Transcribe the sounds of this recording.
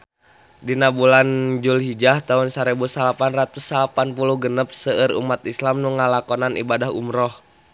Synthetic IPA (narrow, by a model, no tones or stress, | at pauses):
dinabuland͡ʒulɦid͡ʒaht̪aunsaɾibusalapanrat̪usːalapanpuluhɡənəp̚səəɾṵmat̪islamnuŋalakɔnanʔḭbadaɦṵmɾɔh